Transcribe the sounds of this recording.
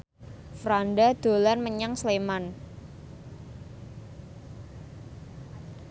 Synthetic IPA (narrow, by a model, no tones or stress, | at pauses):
fɾanɖad̪̥o̤lanməɲaŋsleman